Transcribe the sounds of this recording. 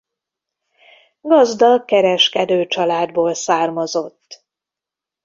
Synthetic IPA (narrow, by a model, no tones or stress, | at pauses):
ɡɒzd̪ɒkɛɾɛʃkɛd̪øːt͡ʃɒlaːd̪boːlsaːrmɒzo̞t̪ː